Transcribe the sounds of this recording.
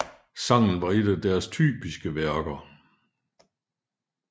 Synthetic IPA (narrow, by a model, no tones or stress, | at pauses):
sɑ̈ŋ̰n̩ʋɑ̈e̝d̥æd̥æɐst͡sʰy̰ːb̥isɡ̥əʋæɐɡ̥ɐ